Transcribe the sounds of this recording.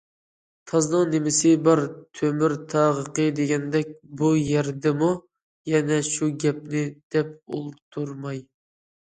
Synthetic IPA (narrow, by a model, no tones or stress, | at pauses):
t̪ʰɑznɨŋnɪmɪsɪbɑɾt̪ʰømyɾt̪ʰɑʁəqəd̪eɡʲɛnd̪ɛk̚ʲbujɛɾd̪ɛmu | jɛnɛʃuɡʲɛp̚nɪd̪̥ɛp̚ṵlˠt̪ʰːuɾmɑj